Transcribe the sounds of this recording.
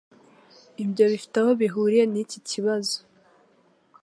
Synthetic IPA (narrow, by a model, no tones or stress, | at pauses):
ibjo̞βifi̥taho̞βiɦuːɾijeniciciβazo̥